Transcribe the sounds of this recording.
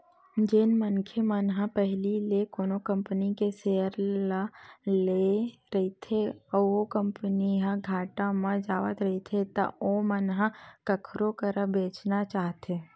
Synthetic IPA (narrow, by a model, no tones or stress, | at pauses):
d͡ʒenmənkʰemənɦãpɛɦlilekoːnokə̃mpənikeseːəɾlaleɾɐit̪ʰeɔokə̃mpəniɦãɡʱaːʈamãd͡ʒaːʋə̰t̪ɾɐɦit̪ʰet̪ɐ̰omənɦãkəkʰɾokəɾəbeːt͡ʃnat͡ʃaːɦt̪eː